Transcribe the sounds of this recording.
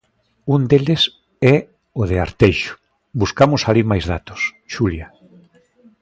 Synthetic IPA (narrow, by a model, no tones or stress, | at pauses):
und̪eles | ɛ | oð̞eaɾt̪ejʃʊ̥ | buskamʊsalimajzðat̪ʊ̥sʃulja